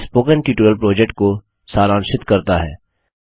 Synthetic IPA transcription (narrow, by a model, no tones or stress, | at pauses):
spoːkənʈiːʈuɾəlpɾoːd͡ʒɛk̚ʈ̚ko | saːɾãːnʃɪt̪kɐɾt̪aɦɛ̰ː